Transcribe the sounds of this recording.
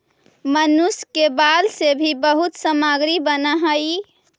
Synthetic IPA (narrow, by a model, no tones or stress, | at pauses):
mənuskebalsebʱibəɦut̪səmaɡɾibənəɦəi